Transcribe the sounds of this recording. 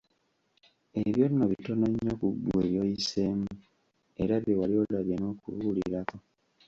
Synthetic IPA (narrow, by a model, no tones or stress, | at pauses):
eβjonːoβito̞naɲːokuɡweːjojise̞ːmu | e̞ɾaβjewalio̞laβjeno̞ːkṵβuːlḭɾako̞